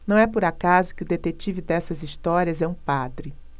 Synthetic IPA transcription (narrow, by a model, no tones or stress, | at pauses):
nɐ̃w̃ɛpʊɾakazʊkɪʊd̪et̪et͡ʃivɪd̪ɛsɐzist̪ɔɾiɐzɛũpad̪ɾɪ